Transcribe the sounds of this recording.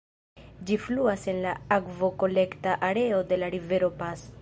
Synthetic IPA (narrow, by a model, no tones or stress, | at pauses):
d͡ʒifluase̞nlaakvo̞ko̞le̞ktaʔaɾe̞o̞de̞laɾive̞ɾo̞pas